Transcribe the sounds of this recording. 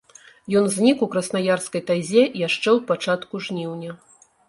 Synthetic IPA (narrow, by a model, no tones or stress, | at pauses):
jɔnzʲnʲikukɾɐsnajarskɐjt̪azʲɛjaʂt͡ʂɛwpat͡ʂat̪kuʐnʲiwnʲɐ